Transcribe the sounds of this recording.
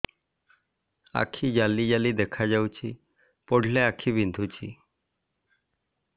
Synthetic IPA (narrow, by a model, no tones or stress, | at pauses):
a̰kʰiːd͡ʑalːid͡ʑaliːd̪ekʰad͡ʑawt͡ɕi | poɽ̤ʱleakʰiːbind̪ʱut͡ɕiː